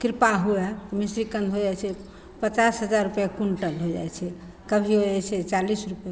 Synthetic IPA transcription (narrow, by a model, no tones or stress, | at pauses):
kiɾpaɦuɛt̪misɾikə̃nd̪ʱɦod͡ʒajt͡ʃʰɛ | pət͡ʃasɦəd͡ʒaɾːupjakuɳʈəlɦod͡ʒa̰jt͡ʃʰɛ | kəbʱiɦod͡ʒajt͡ʃʰɛt͡ʃalisɾupjɛ